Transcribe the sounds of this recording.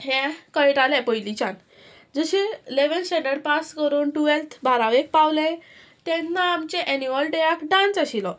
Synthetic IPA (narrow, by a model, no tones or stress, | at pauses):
ɦɛ̃kəjʈalɛ̃pəjlit͡ɕan | d͡zəɕeleʋənsɛɳɖəɽpaskəɾuːnʈuʋelt̪ʰbʱaɾaʋek̚pawlẽ | t̪ɛ̃nːaːmt͡ɕeʔɛnuʋəlʈeakɖãnt͡saɕilɔ